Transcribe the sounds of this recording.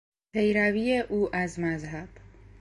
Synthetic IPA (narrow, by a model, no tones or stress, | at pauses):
pʰe̞jɾæviːeʔuːʔæzmæzɦæb̥